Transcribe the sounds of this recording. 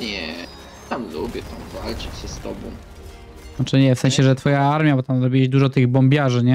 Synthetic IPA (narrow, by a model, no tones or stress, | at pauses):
ɲɛ | t̪amlubʲjɛt̪amvalt͡ʂɘt͡ɕɕɛst̪ɔ̰bɔ̰̃w̪̃ | at͡ʂɛɲɛfsɛ̃ɕɛʐɛt̪fɔjaaɾmʲjabɔt̪amzɾɔbʲiwɛɕd̪uʐɔt̪ɘɣbɔmbʲjaʐɘɲɛ